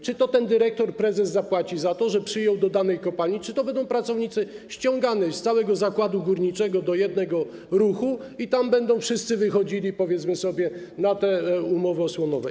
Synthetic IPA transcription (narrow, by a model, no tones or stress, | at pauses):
t͡ʂɘt̪ɔt̪ɛnd̪ɘɾɛk̚t̪ɔɾpɾɛzɛzzapwat͡ɕizat̪ɔʐɛpʂɘjɔwd̪ɔd̪anɛjkɔpalit͡ʂɘt̪ɔbɛnd̪ɔ̃w̃pɾat̪sɔvɲit̪sɘɕt͡ɕɔ̃ŋɡanɛst̪sawɛɡɔzakwad̪uɡuɾɲit͡ʂɛɡɔd̪ɔjɛd̪̚nɛɡɔɾuxuit̪ambɛnd̪ɔ̃w̃fʂɘst̪sɘvɘxɔd͡ʑilʲipɔvʲjɛt̪smɘsɔbʲjɛnat̪ɛumɔvɛɔswɔnɔvɛ